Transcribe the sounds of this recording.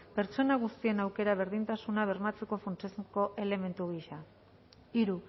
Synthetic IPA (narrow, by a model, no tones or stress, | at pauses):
pe̞ɾt͡ʃo̞naɣ̞ust̪ie̞nawke̞ɾaβ̞e̞ɾðint̪asunaβ̞e̞ɾmat͡se̞ko̞funt͡ʃezko̞ʔe̞le̞me̞nt̪uɣ̞iʃa | iɾu